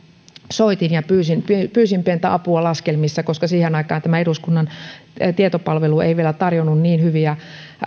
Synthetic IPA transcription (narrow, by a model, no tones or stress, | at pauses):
soit̪injɑpyːsinppyːsimpent̪æ̰ɑpuɑlɑskelmisːɑkoskɑsiːhenɑikɑːnt̪æmæeɾuskunːɑnt̪iet̪opɑlʋeluḛiʋielæt̪ɑrjonːunniːnhyʋiæ